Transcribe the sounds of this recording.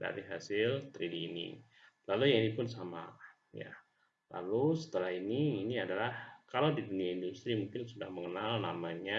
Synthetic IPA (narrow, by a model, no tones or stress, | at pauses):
da̰ɾiɦa̰sɪlt̪ɾidiːnḭ | lalujaŋinipʊnsama̰ | ja̰ | la̰lusə̥t̪əlahiniːniadalahkalawdiduniaindust̪ɾimuŋkɪnsudahməŋənalna̰maɲa